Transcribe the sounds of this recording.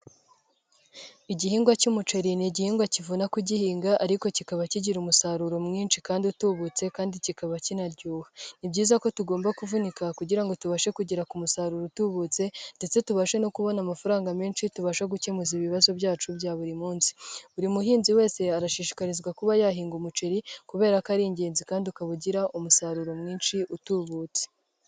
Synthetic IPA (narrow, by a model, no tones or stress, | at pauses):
iɟihiːŋɡwacumut͡ʃe̞ɾiniɟihiːŋɡwacivunakuɟihiːŋɡaʔaɾiko̞cikaβaciɟiɾumusaɾuɾomŋiːnʃikaːndiutuβut͡se̞kaːndicikaβacinaɾɟuːhanibɟiːzako̞tuɡoːmbakuvunikakuɟiɾaŋɡo̞tuβaʃe̞kuɟiɾakumusaːɾuɾotuβut͡se̞nde̞t͡se̞tuβaʃe̞no̞kuβo̞namafaɾaːŋɡameːnʃituβaʃaɡucemuziβiβazo̞bɟaːt͡ʃubjaːβuɾimuːnsi̥uɾimuɦiːnziwe̞ːse̞aɾaʃiːʃi̥kaɾizɡwakuβajaɦiːŋɡumut͡ʃeɾikuβe̞ːɾakaɾiːɲɟe̞ːnzikaːndiukaβuɟiɾaʔumusaɾuɾo̞mŋiːnʃiʔutuβuːt͡se̥